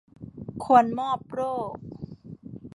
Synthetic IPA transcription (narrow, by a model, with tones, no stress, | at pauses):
kʰu˧ənmɔː˥˩p̚ɾoː˥˩k̚